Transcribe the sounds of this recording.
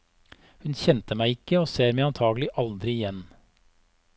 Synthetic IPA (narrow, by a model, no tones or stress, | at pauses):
hʉnçɛnt̪əmæɪɪkːəoːseːɾmæɪɑnt̪ʰɑːɡəlɪʔɑld̪ɾɪɪjɛn